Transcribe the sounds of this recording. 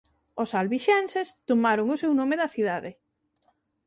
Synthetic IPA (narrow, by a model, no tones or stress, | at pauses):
osalβiʃɛnsest̪omaɾʊŋʊsewnõmeðɐθiðaðɪ